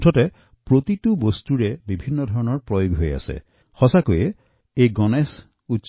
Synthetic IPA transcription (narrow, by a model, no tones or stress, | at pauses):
ʈʰɔte | pɾot̪iʈubɔst̪uɾebibʱinːɔd̪ʱɔɾɔnɔɹpɾɔjoɡɦoja̰sḛ | hɔsakuje | eɡɔnes | utːʃ